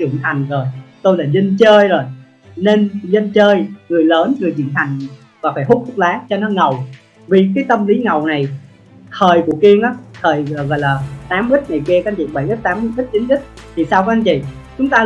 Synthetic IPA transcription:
t͡ɕɨ˧˩əŋt̪ʰa˨˩jŋ̟zo˨˩jt̪o˧jlaː˨˩zə˧nt͡ɕəː˧jzo˨˩j | ne˧nzə˧nt͡ɕəː˧jŋɨ˨˩əjləː˨˦nŋɨ˨˩əjt͡ɕḭ˧˩ənt̪ʰa˨˩jŋ̟ | vaː˨˩faː˧˩jhʊ˦˥t̚kʰʊ˦˥t̚laː˨˦t͡ɕɔ˧nɔ˨˦ŋə˨˩w | vi˨˩k̬aː˨˦jt̪ə˧mli˨˦ŋə˨˩wna˨˩j | t̪ʰəː˨˩jku˧˩əki˧əŋʔaː˨˦t̪ʰəː˨˩jɣɔ̰˧˨jlaː˨˩t̪aː˨˦mʔi˦˥t̚ŋa˨˩jki˧əkːa˧nt͡ɕḭ˧˨ɓə˧˩jʔi˦˥t̪aː˨˦m˧˦ʔi˦˥t̚t͡ɕi˨˦nʔi˦˥t̚t̪ʰi˨˩saː˧wkɔ˨˦ʔa˧nt͡ɕḭ˧˨t͡ɕʊ˨˦ŋ͡mt̪aː˧

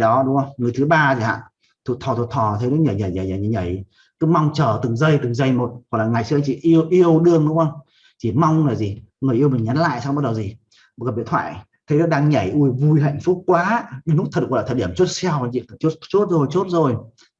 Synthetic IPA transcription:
ɗɔ˨˦ɗʊ˨˦ŋ͡mə˧wŋɨ˨˩əjt̪ʰɨ˨˦ɓaː˧zi˨˩ha̰ː˧˨ | t̪ʰu˨˧˩t̪ʰɔ˨˩t̪ʰu˨˩t̪ʰɔ˨˩t̪ʰə˨˦nɔ˨˦ɲəː˨˩ɲa˨˩jɲa˨˩jɲː˨˩jɲ˨˩ɲa˧˩j | kɨ˨˦ma˧wŋ͡mt͡ɕəː˨˩t̪ɨ˨˩ŋzə˧jt̪ɨ˨˩ŋzə˧˩jmo˨˩t̚hɔ˨˩k̚laː˨˩ŋa˨˩jsɨ̰˧ŋt͡ɕḭ˧˨ʔi˧əwʔi˧əwɗɨ˧əŋɗʊ˨˦ŋ͡mʔə˧wŋ͡m | t͡ɕi˧˩ma˧wŋ͡mŋaː˨˩jzi˨˩ŋɨ˨˩əjʔi˧əwmi˨˩ŋ̟ɲa˨˦nla̰ː˧˨jsa˧wŋ͡mɓa˦˥t̚ɗə˨˩zi˨˩ | m˨˩ka˨˩ɓḭ˧˨ənt̪ʰwa̰ː˧˨j | t̪ʰə˨˦jnɔ˨˦ɗaː˧ŋɲa˧˩jʔu˧jvu˧jɦa̰˧˨jŋ̟fʊ˦˥k͡p̚kwaː˨˦ɗn̚˦˥t̪ʰt̚k̚lːt̪ʰəː˨˩ɗi˧˩əmt͡ɕo˦˥t̚sɛ˧wa˨˩t͡ɕḭ˧˨˩t͡ɕo˦˥t̚t͡ɕo˦˥t̚zo˨˩jt͡ɕo˦˥t̚zo˨˩j

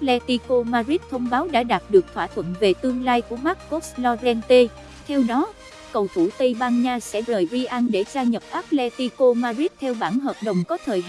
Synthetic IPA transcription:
lɛ˧t̪i˧ko˧maː˧zi˦˥t̚t̪ʰə˧wŋ͡mɓaː˨˦wɗa̰ː˧˥ɗaː˨˩t̚ɗɨ˨˩ək̚t̪ʰwaː˧˩t̪ʰwə̰˧˨nve˨˩t̪ɨ˧əŋlaː˧jku˧˩əma˦˥k̚kɔ˦˥k̚slɔ˧zɛ˧nt̪e˧ | t̪ʰɛ˧wɗɔ˨˦ | kə˨˩wt̪ʰu˧˩t̪ə˧jɓaː˧nɲaː˧sɛ̰˧˥zəː˨˩jvi˧ʔa˧nɗe˧˩zaː˧ɲə˨˩p̚ʔaː˦˥p̚lɛ˧t̪i˧ko˧maː˧zi˦˥t̚t̪ʰɛ˧wɓaː˧˩nɦəː˨˩p̚ɗə˨˩wŋ͡mkɔ˨˦t̪ʰəː˨˩j

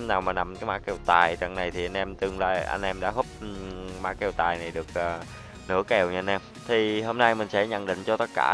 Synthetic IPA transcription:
mnaː˨˩wmaː˨˩na˨˩mkaː˨˦jmaː˧˥kɛ˨˩wt̪aː˨˩jt͡ɕa̰˧˩ŋna˨˩jt̪ʰi˨˩ʔa˧jn̟ʔɛ˧mt̪ɨ˨˩ŋlaː˧jʔa̰˧jŋ̟ʔɛ˧mɗa̰ː˧˥ɦo˦˥p̚ma̰ː˧˥kːɛ˨˩wt̪aː˨˩jna˨˩jɗɨ˨˩ək̚ʔəː˨˩ | nɨ̰˧˥əkɛ˨˩wɲ˧a˧nʔɛ˧m | t̪ʰi˨˩ɦo˧mna˧jmï˨˩ŋ̟sɛ̰˧˥ɲə̰˧˨nɗḭ˧˨ŋ̟t͡ɕɔ˧t̪ə˦˥t̚ka̰ː˧˩

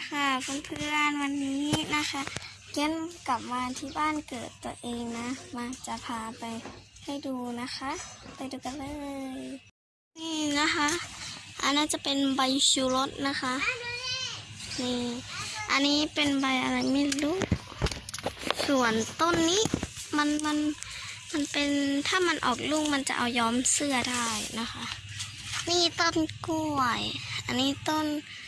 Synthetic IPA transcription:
kʰa˧˩pʰo˧˦mpʰɯ˧ə˨nwa˧nːiː˦˥na˦˧˥xʰa˦˥ | ke˧˥˨nka˨˩p̚maː˧t̪ʰiː˧˩baː˥˨nkɤː˨˩t̪ːu˧ɐəʔeː˧ŋna˧˥maː˧t͡ɕa˧pʰaː˧pa˨jha˧˥˩jduː˧na˧˥xʰa˧˥pa˨˧jduː˧ka˧nlɤː˧j | niː˧˩na˧˥kʰa˧˥ʔʔa̰˧nːaː˧˥˨t͡ɕa˧˦pe˨nba˧jsuː˧lo˧˦˥t̪̚na˧˥xʰa˧˥ʔ | niː˧˩ʔa̰˧nːiː˦˧˥pe˨nba˧˩jʔa˧la˧˩jmi˧˥˨lu˦˧˥k | su˨˩ənt̪o˧˥˨nːiː˦˧˥ma˧˥˨nma˧˥˨nma˧˥˨npe˨nt̪ʰaː˧˥˩ma˧˨nʔɔ̰ː˨˩k̚lu˧˩˨ŋma˧˥˨nt͡ɕa̰˧ʔa̰˧˩wjɔː˧˥msɯ˧ɐda˧˥˩jna˧kʰa˧˥ʔ | niː˧˩t̪ɔ˧˨nku˧˩əjʔa˧˨nːiː˧˥˩t̪o˧˥˨n

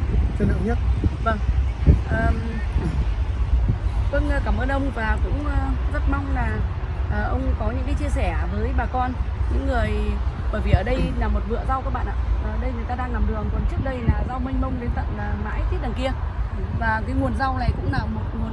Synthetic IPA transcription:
t͡ɕə˧˩na̰ː˧˨wɲə˦˥t̚və˧ŋʔəː˨˩ | və˧n˧kaː˧˩mʔəː˧nʔə˧wŋ͡mvaː˨˩kʊ̰˧˥ŋ͡mʔə˧zə˦˥t̚ma˧wŋ͡mlaː˨˩ | ʔəː˨˩ʔə˧wŋ͡mkɔ˨˦ɲɨ̰˧˥ŋkaː˨˦jt͡ɕi˧əsɛ˧˩vəː˨˦jɓaː˨˩kɔ˧nɲɨ̰˧˥ŋːɨ˨˩əjɓəː˧˩jvi˨˩ʔəː˧˩ɗə˧jlaː˨˩mo˨˩t̚vɨ̰˧˨əza˧wka˦k̚ɓa̰ː˧˨ʔaː˧˨ʔəː˨˩ɗə˧jŋɨ˨˩ət̪aː˧ɗaː˧ŋla˨˩mɗɨ˨˩əŋkɔ˨˦nt͡ɕɨ˦˥ək̚ɗə˧jlaː˨˩za˧wmï˧ŋ̟mə˧wŋ͡mlnt̪ə̰˧˨nlaː˨˩ma̰ː˧˥jt̪ʰi˦˥t̚ɗaː˨˩ŋki˧ə | vaː˨˩kaː˨˦jŋu˨˩ənza˧wna̰ː˧˩jkʊ̰˧˥ŋ͡mnaː˨˩mo˨˩t̚ŋu˨˩ən

